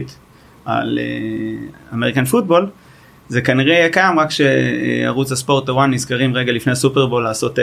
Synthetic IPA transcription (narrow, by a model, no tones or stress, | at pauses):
t̪ | a̰lḛ | ameʁikanfut̚bo̞l | ze̞kaniʁejekajamʁakʃeḛa̰ʁut͡shaspo̞ʁt̪awanːisɡaʁimʁeɡalifneasupeʁbo̞lːaːso̞te